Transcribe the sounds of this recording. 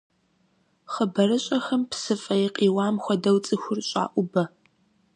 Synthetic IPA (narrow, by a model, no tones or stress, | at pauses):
χəbɐɾɨɕʼɐxɐmpsɨfʼɐjiqʼiːwaːmxʷɔdɐwt͡sʼɨxʷʊrɕʼa̰ːʔʷʊbɐ